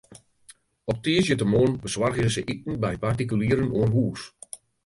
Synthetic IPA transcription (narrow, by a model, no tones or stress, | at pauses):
ɔp̚teːsjətəmoːnbəswarɣəzəʔitən̩bɛjpartik̬yliːɾənuənɦuːs